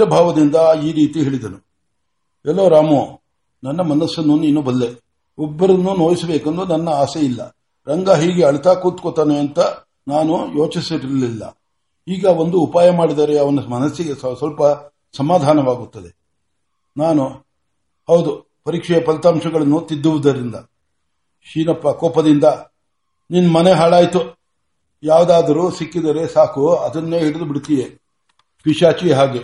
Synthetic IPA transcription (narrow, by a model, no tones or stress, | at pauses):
ɐbʱaːʋɐd̪ind̪ɐiːɾiːt̪iɦe̞ːɭid̪ɐnu | ɛlːoːɾaːmo | nɐnːɐmɐnɐsːɐnːuniːnubɐd̪le | ɔbːɐɾɐnːunoːjisɐbeːkɐnd̪unɐnːɐaːseilːɐ̰ | ɾɐŋɡaɦiːɡeɐɭit̪aːkuːt̪kot̪aːneɐnt̪ɐ | naːnujo̞ːt͡ʃisiɾiɾɐlilːɐ̰ | iːɡɐo̞nd̪uːpaːjɐmaːɽid̪aːɾeɐʋɐnɐmɐnɐsːiɡessʋɐlpɐ | sɐmaːd̪ʱaːnɐʋaːɡut̪ːɐd̪e | naːnu | hɐwd̪u | pɐɾiːkʂɛjɐpɐlt̪aːmʂɐɡɐɭɐnːut̪id̪ːuʋud̪ɐɾind̪ɐ | ʃiːnɐpːɐkɔːpɐd̪ind̪ɐ | ninːɐmɐneɦaːɭaːjt̪u | jaːʋd̪aːd̪ɐɾusikːid̪ɐɾe̞saːkuɐd̪ɐnːeːɦiɽɐd̪ubiɽt̪iʋe | piʃaːt͡ʃiɦaːɡe